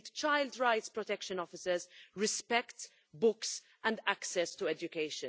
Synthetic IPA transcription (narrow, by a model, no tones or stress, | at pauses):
t̪t͡ʃajld̪ɾajt̪spɾɔt̪ɛkʃə̃nɔfɪsɛzɹɪspɛkt̪ | bʊks | ɛ̃nd̪æksɛst̪uɛd͡ʒʊkejʃə̃